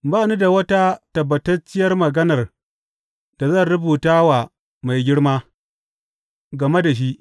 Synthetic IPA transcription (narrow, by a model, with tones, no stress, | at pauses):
baː˦˨nu˦da˨wɐ˦ta˦tɐ˨bːɐ˨tɐ˦t͡ʃɪ˦jɐ˦rmɐ˨ɡɐ˦nɐ˨r | d̥a˨zɐ˦˨nɾʊ˦buː˨taː˦wa˨ | ma˨jɡʲɪ˦ɽmaː˦ | ɡɐ˨me˦da˨ʃ̬i˦ʔ